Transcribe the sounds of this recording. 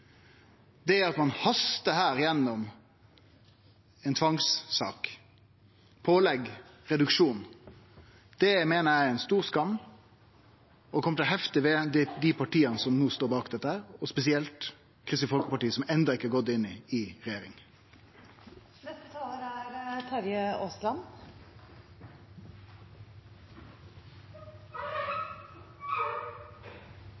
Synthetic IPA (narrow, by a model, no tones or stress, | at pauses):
d̪ɛæɾɑt̪mɑnhɑst̪əhæːɾjɛnːɔm | ɛnt̪ʰʋɑŋsːɑ̰ːk | pʰoːlɛɡɾɛd̪ʉkʂuːn | d̪̥ɛmeːnəjæɪɛnst̪uːɾskɑmː | ɔkʰɔmət̪ʰɛlɦɛft̪ɪʋɛd̪d̪ɪpʰɑʈiːənəsɔmnuːst̪oːbɑːkd̪ɛt̪ːəhæːɾɔspɛsɪɛlt̪ | kʰɾɪsəfɔlkə̥pɑʈiːəsɔmɛnd̪ɑɪkːəɑɡɔt̪ːɪnːɪɪʁɛjeːɾɪ̰ŋ | nɛt̪əæɾt̪ʰɑɾjəoslɑn